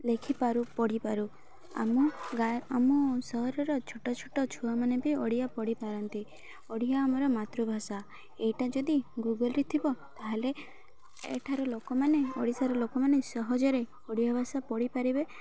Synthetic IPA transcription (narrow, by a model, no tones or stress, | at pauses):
lekʰipaɾupɔɽipaɾu | a̰muɡaamusɔɦɔɾɔɾɔt͡ʃʰuʈɔt͡ʃʰuʈɔt͡ʃʰuamanebiɔɽijapɔɽipaɾɔnt̪i | ɔɽijaːmɔɾɔmat̪ɾubʱasa | ejʈad͡ʒɔd̪iɡuɡəlɾit̪ʰibɔt̪aɦele | ḛʈʰaɾɔlokɔmaneɔɽisaɾɔlokɔmanesɔɦɔd͡ʒɔɾe | ɔɽijabʱasapɔɽipaɾibe